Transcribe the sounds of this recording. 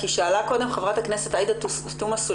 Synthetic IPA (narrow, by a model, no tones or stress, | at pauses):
kiʃaːlako̞d̪e̞mχevʁathaknese̞taid̪a | t̪umasu